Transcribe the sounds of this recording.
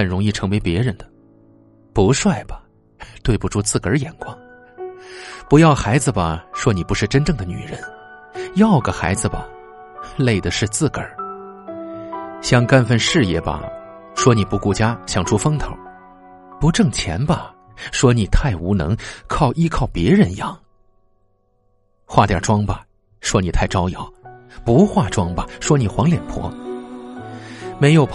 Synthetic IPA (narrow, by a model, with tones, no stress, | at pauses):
xə˨˩nɻʊ˧˥ŋi˥˩ʈ͡ʂʰɤ˧˥ŋwe˧˥ɪpjɛ̰˧˥ɻə˧˥nd̪ə̥˧ | pu˧˥ʂwa˥˩ɪbɐ˩ | t̪we˥˩ɪpu˧˩ʈ͡ʂu˥t͡sɹ̩˥˩kə˞˧˥jɛ˨˩nkwɑ˥ŋ | pu˧˥jɑ˥˩ʊxa˧˥ɪd͡zɹ̩˧bɐ˨˩ʂwɔ˥ni˨˩pu˧˥ʂɻ̩˥˩ʈ͡ʂə˥nʈ͡ʂɤ˥˩ŋd̪ə˩ny̰˨˩ɻə˧˥n | jɑ˥˩ʊɡə˩xa̰˧˥ɪd͡zɹ̩˧bɐ̰˨ | le˥˩ɪd̪ə˩ʂɻ̩˥˧t͡sɹ̩˥˩kə̰˞˨˩˦ | ɕjɑ˥˧ŋka˥nfə˥˧nʂɻ̩˥˧jɛ̰˥˩bɐ̰˧˩ | ʂwɔ˥ni˨˩pu˧˥ku˥˩t͡ɕja˥ɕjɑ˨˩ŋʈ͡ʂʰu˥fɤ˥ŋt̪ʰo̰˨˩˦ʊ | pu˧˥ʈ͡ʂɤ˥˩ŋt͡ɕʰjɛ̰˧˥nbɐ˧ | ʂwɔ˥ni˨˩t̪ʰa˥˩ɪu˧˥nɤ̰˧˥ŋkʰɑ˥˩ʊʔi˥kʰɑ˥˩ʊpjɛ˧˥ɻə˧˥n˧jɑ˥˩ŋ | xwa˥˩t̪jɑ̰˥˨˩ʈ͡ʂwɑ˥ŋbɐ˨ | ʂwɔ˥ni˨˩t̪ʰa˥˩ɪʈ͡ʂɑ˥ʊjɑ˨˩˦ʊpu˧˥xwa˥˩ʈ͡ʂwɑ˥ŋbɐ˨ʂwɔ˥ni˨˩xwɑ˧˥ŋljɛ˨˩npʰwɔ̰˧˥ | me˧˥ɪjo˨˩ʊpʰ